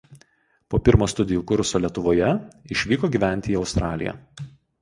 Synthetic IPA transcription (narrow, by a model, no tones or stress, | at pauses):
poːpʲɪɾmoːst̪ʊd̪ʲɪjuːkʊɾʊsoːlʲiɛt̪ʊʋoːjɛɪʃʲʋʲiːkoːɡʲiːˑʋʲænʲt̪ʲɪːɒʊst̪ɾɑːlʲɪ̰jɛ̰